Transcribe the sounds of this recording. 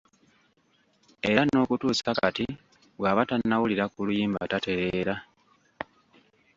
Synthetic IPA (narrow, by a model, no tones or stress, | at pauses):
e̞ɾano̞ːkutuːsakati | βwaβatanːawuliɾakulujiːmba̰tate̞ɾeɾa